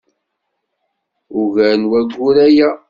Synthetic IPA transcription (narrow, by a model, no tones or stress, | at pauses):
uʝæɾnwæɡːuɾæjæ